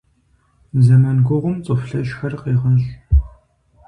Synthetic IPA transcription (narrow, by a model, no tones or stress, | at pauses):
zɐmɐnɡʷʊʁʷʊmt͡sʼɨfɬɐʃxɐrqeːʁɐɕʼ